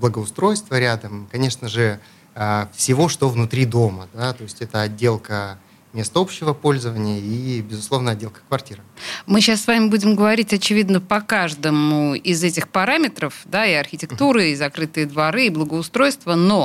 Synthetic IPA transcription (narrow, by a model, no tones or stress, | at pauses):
blˠəɡəʊst̪ɾo̞jst̪vəɾʲad̪əmkɐnʲe̞ʂnəʐɨ | afsʲɪvo̞ʂt̪ovnʊt̪ɾʲid̪o̞məd̪at̪o̞ɪsʲtʲɛt̪əɐdʲːe̞lˠkə | mʲe̞st̪əopɕːɪvəpo̞lʲzəvənʲɪjəibʲɪzʊslˠo̞vnəɐd̚ʲːe̞lˠkə̥kvɐrtʲiɾɨmɨɕasːvamʲɪbudʲɪmɡəvɐɾʲitʲɐt͡ɕɪvʲid̪nəpɐkaʐd̪əmʊɪzɛtʲɪxpɐɾamʲɪt̪ɾəfd̪aiɐrxʲɪtʲɪkt̪uɾɨizɐkɾɨt̪ɨjəd̪vɐɾɨːblˠəɡəʊst̪ɾo̞jst̪vəno